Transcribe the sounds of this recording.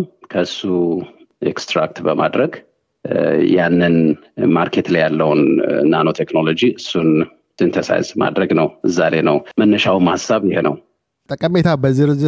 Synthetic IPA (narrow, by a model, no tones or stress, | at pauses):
kʰəɨsːu | ʔḛkst̪ɾakt̪bəma̰d̪ɾəɡ | janːɨn | maɾkʰet̪lajalːəwnːano̞t̪ʰeknolo̞d͡ʒiɨsːun | sint̪ʰəsa̰jzma̰d̪ɾəɡnəwɨzːaɾe̞nəwmənːəʃawmhasːaβjɪhnə̰w | t̪ʼəkʼəmet̪ʰabəziɾɨzɨ